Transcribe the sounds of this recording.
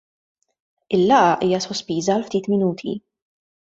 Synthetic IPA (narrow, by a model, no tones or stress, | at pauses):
ɪlːɐʔɐʔiːjɐsɔspiːzɐːlft̪iːt̪mɪnuːt̪ʰḭ